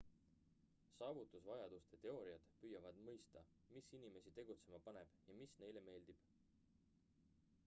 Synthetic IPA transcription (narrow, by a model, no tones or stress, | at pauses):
sɑːvut̪ːˑusvɑjɑd̪̥ust̪et̪e̞o̞ːɾiɑd̪̥pyːjɑvɑd̪̥mɤjst̪ɑ | misinime̞sit̪e̞ɡut̪se̞mɑpɑne̞b̥jɑmisne̞jle̞me̞ːld̪̥ib̥